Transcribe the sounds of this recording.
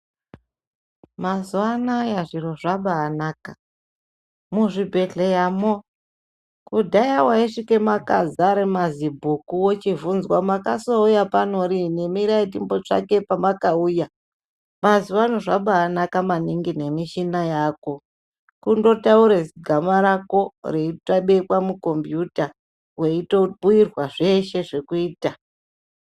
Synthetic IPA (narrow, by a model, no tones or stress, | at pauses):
mazwanajaʐiɾo̞ʐaɓaːnaka | muʐibʱe̞ɮejamo | kudʱajawaiʂike̞makazaɾemazibʱukuwot͡ʃivunzwamakaso̞ujapano̞ɾine̞miɾaitimbo̞t͡ʂa̰ke̞pamakauːja | maziʋanoʐaɓaːnakamaniŋɡine̞miʃinajaːko̞ | kundo̞tauɾeziɡʱamaɾako̞reitaɓe̞kwamuko̞mbjuta | we̞ito̞buirwaʐe̞ʃe̞ʐe̞kuiːta